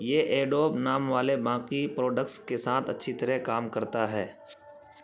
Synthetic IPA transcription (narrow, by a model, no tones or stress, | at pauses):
jeʔeːɖoːbnaːmʋaːlebãːkipɾoːɖək̚ʈskesaːt̪ʰɐtːʃʰit̪ɐɾɛkaːmkɐɾt̪aɦɛː